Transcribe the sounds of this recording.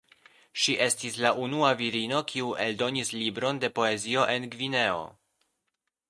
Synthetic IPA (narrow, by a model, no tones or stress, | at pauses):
ʃiʔe̞stislaʔunuaviɾino̞kʰiue̞ldo̞nislibɾo̞nde̞po̞e̞zio̞ʔe̞nɡvine̞o̞̰